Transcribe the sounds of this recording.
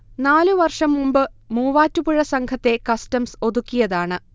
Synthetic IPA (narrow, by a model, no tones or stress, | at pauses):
naːluʋɐrʂɐmːumbɨmuːʋaːtːupuɻɐsɐŋkʰɐt̪ːe̞kɐstɐmso̞ðukʲːijɐðaːɳɨ